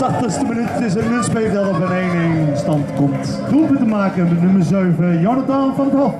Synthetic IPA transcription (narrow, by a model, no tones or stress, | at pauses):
tɑχtəχstəmənytɪs̬ənmʏnspejvdɑtɔpənejnejnstɑntkɔmt | upətəmaːkənənɵməɹzøɥvəjɔnədanfɑnətɦɔ